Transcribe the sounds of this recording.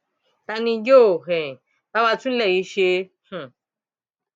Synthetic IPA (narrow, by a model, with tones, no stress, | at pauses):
t̪a˧nĩ˧jo˦˨ɦẽ˨ | t̪a˦βa˧t͡sũ˦le˧˨i˧ʃi˧˦ | hũ˨